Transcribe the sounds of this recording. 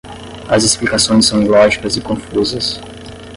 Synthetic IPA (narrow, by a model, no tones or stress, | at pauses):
ɐzɪsplikasõj̃sːɐ̃w̃ilɔʒikɐzɪkõfuzɐs